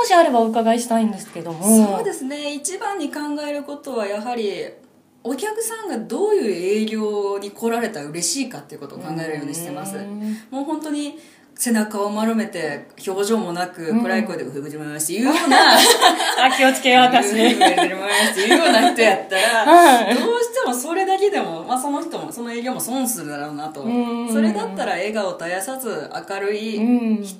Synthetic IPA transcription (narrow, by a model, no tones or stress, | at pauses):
moɕiaɾe̞baokaɡaiɕi̥t̪aĩnd̪e̞sɨ̥ke̞d̪o̞mosoːd̪e̞sɨne̞it͡ɕibãɲ̟ːikãŋɡae̞ɾɯ̟ko̞t̪o̞βajaɦaɾʲi | o̞kʲakɯ̟̥sãŋɡad̪o̞ːjɯ̟ːe̞ːɡʲo̞ːɲ̟iko̞ɾaɾe̞t̪aɯ̟ɾe̞ɕiːkat̪ːe̞iɯ̟ko̞t̪o̞ːkãŋɡae̞ɾɯ̟jo̞ːɲiɕi̥t̪e̞masɨ̰moːhõ̞nt̪o̞ɲ̟i | se̞nakaomaɾome̞t̪e̞ço̞ːʑo̞ːmo̞nakɯ̟kɯ̟ɾaiko̞id̪eɯ̟hɯ̟ɡɯ̟d͡ʑimamaɕi̥t̪ejɯ̟ːjoːna | akʲiot͡sɨ̥keβakaeeɾɯ̟mamaɕi̥t̪ejɯ̟jo̞ːnaçi̥t̪o̞jat̪ːaɾad̪o̞ːɕi̥t̪e̞mo̞soɾe̞d̪aked̪e̞mo̞maso̞no̞çi̥t̪o̞moso̞no̞e̞ːɡʲo̞ːmo̞sõ̞ɰ̃sɨɾɯ̟d̪aɾoːnat̪o̞so̞ɾe̞d̪at̪ːaɾae̞ɡao̞t̪ajasazɨa̰kaɾɯ̟içi̥